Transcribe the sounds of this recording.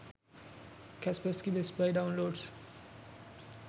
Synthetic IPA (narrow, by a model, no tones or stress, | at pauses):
kɛspəskibespaɪɖãʊ̃nloːɖs